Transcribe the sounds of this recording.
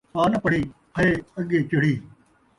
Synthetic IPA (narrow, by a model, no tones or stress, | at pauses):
paːnɐpəɽ̤iːpʰɐeːəɠeːt͡ʃɪɽiː